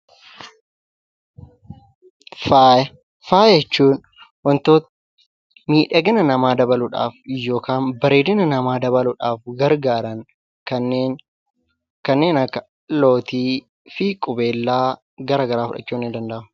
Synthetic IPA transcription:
faj | faːjɛt͡ʃːuːn | wɐnt̪oːt̪ɐ | miːᶑɐɡɪnɐnɐmaːd̪ɐbɐlʊᶑa̰ːfjːo̞ːkaːnbɐɾeːd̪ɪnɐnɐmaːd̪ɐβɐlʊᶑaːfɡɐɾɡaːɾɐŋ | kɐnːeː | kɐnːe̞ːnɐkːɐ̥ | lo̞ːt̪iː | fiːkʼʊbe̞ːlːaː | ɡɐɾaːɡɐɾaːfʊᶑɐ̰t͡ʃːuːnːɪnd̪ɐnd̪ɐʔɐ

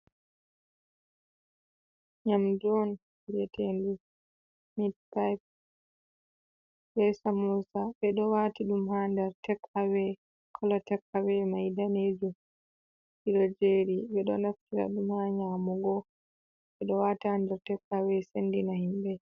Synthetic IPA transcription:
ɲamd͡ʒɔn | lɛtʰendu | mitpajp̚ | bɛsamusaɓɛɗɔwatiɗumhandɛɾtɛkawɛ | kʰɔlɔtɛkawɛmajdaned͡ʒu | iɗɔd͡ʒeɾiɓɛɗɔ̰naftiɾa̰ɗumhaɲamɔɡɔ | ɓɛɗɔwathandɛɾtɛkawɛsendinahimbɛ

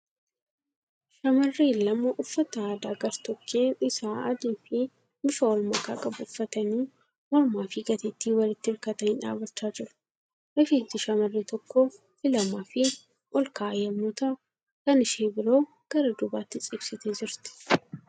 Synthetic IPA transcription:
ʃɐmɐrːiːlːɐmɐʔʊfːɐt̪ɐaːd̪aːɡɐɾt̪ɔkʰːeːnɪsaːɐ̰d̪iːfɪ | mɪfɐɔlmɐka̰ːkʼɐbʊʊfːɐt̪ɐniː | mɔɾmaːfɪɡɐt̪et̪ːiːwɐlɪt̪ːɪɪɾkɐt̪ɐnɪnᶑa̰ːbɐt͡ʃːaːd͡ʒɪɾʊ̥ | ʔɐfiːt̪ɪʃɐmɐrːiːt̪ɔkːo | fɪlɐmaːfɪ | ʔɔlkaːʔjɐmːoːt̪ɐʔʊ | kɐnɪʃeːbɪɾo̞ː | ɡ̥ɐɾɐd̪ʊbaːt̪ːɪt͡sʼɪbsɪt̪eːd͡ʒɪɾt̪ɪ̥

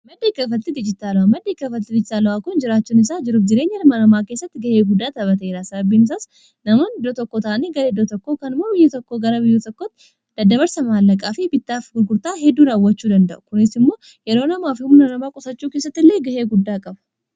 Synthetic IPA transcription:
mɐd̪ːekːɐfɐt̪t̪ːɪd̪ɪd͡ʒɪt̪aːlɐwamɐd̪ːɪkːɐfɐt̪t̪ːɪd̪ɪd͡ʒɪt̪aːlɐwaːkʊnd͡ʒɪɾaːt͡ʃːʊnɪs̬aːd͡ʒɪɾuːfd͡ʒɪɾe̞ːɲːɛlmɐnɐmaːke̞ːsːɐt̪ːɪɡɐheːɡʊd̪ːaːt̪ɐbɐt̪eːɾaːsɐbɐbiːnɪs̬aːs | nɐmɐnɪd̪ot̪ɔkːoːt̪ɐʔɐneːɡɐɾed̪ːot̪ɔkːoːkɐnmobɪjːɛt̪ɔkːoːɡɐɾɐbɪjːɛt̪ɔkːot̪ː | d̪̥ɐd̪ɐβɐɾsɐmaːlːɐkʼaːfɪbɪt̪ːaːfɡʊɡʊɾt̪aːɦɛd̪ːuːɾaːwːɐt͡ʃːuːd̪ɐnd̪ɐʔʊkʊnɪsɪmːo̞ː | jɛɾo̞ːnɐmaːfɪmʊnɐnɐmaːkʼʊsɐt͡ʃːuːke̞ːs̬ːɐt̪ːɪlːeːɡɐheːɡʊd̪ːaːkʼɐbɐ̥

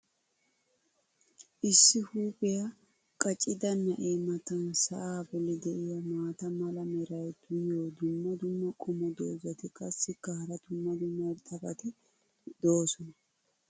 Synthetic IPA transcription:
ʔɪsːɪhuːbɛja | kʼɐt͡ʃʼɪd̪ɐnːɐʔeːmɐt̪ɐnsɐ̰ʔaːbɔlɪd̪ɛʔɪjɐmaːt̪ɐmɐlɐmɛɾɐjd̪̥ʊjoːd̪ʊmːɐd̪ʊmːɐkʼɔmɔd̪oːzɐt̪ɪkʼɐsːɪkːɐhɐɾɐd̪ʊmːɐd̪ʊmːɐt̪ʼɐbɐt̪ɪ | d̪̥oːsɔnɐ

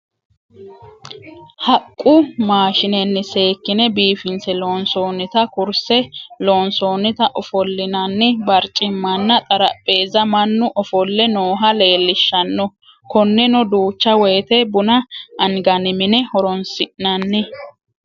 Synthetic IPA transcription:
hɐkʼːʊmaːʃɪnɛnːɪse̞ːkːɪnɛbiːfɪnsɛloːnsoːnːɪt̪ɐkʊɾsɛloːnso̞ːnːɪt̪ɐʔɔfɔlːɪnɐnːɪbɐɾt͡ʃʼɪmːɐnːɐt̪ʼɐɾɐ̰pʼːe̞ːzɐmɐnːʊʔɔfɔlːɛnoːɦɐle̞ːlːɪʃːɐnːɔ | kɔnːɛnɔd̪uːt͡ʃːɐwɛjːt̪ɛbʊnɐʔɐnɡɐnɪmɪnɛhɔɾɔnsɪʔnɐnːɪ

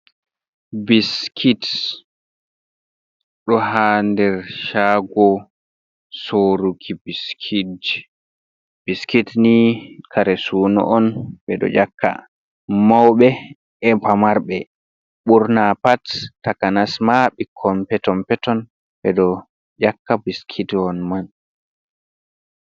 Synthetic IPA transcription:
biskʰit | ɗɔɦandɛɾʃaːɡɔ | soɾukʰibiskʰid | b̥iskitnikʰaɾɛsuːnɔ̰ʔɔnbɛɗɔ̰d͡ʒakːa̰ | mawɓɛ | ɛpamaɾɓɛ | ɓuɾnapatːakanasmaɓikʰɔmpɛtɔmpɛtɔn | ɓɛɗɔ | d͡ʒakːabiskʰidɔnman

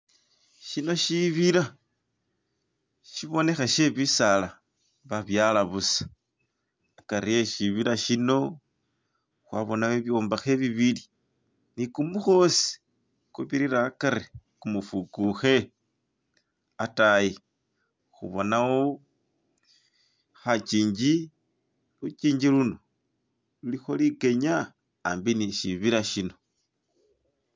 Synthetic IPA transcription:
ʃino̞ʃiβiɾa | ʃiβo̞ne̞xaʃe̞βisala | βaβjalaβusḁ | akaɾijeʃiβiɾaʃino̞ | xwaβo̞naweβjo̞ːmbaxe̞βiβili | nikumuxo̞si̥ | kuβiɾiɾaːkaɾe | kumufukuxe̞ | ataji | xṵβo̞nawo | xat͡ʃiːɲd͡ʒi | lut͡ʃiːɲd͡ʒiluno̞ | lulixo̞like̞ɲaː | mbiniʃiβiɾaʃino̞

